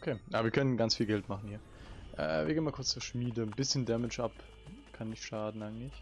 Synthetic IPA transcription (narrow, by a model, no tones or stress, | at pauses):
ʔokʰeːʔaːbɐviːɐkʰœnənɡant͡sfiːlɡɛltmaχn̩hiːɐʔɛ̰ːviɐeːnmakʰʊɐt͡st͡suːɐʃmiːdənbɪsçəndɛmɪt͡ʃʔap | kʰanːɪçʃaːdn̩ʔaɪɡəŋ̩tlɪç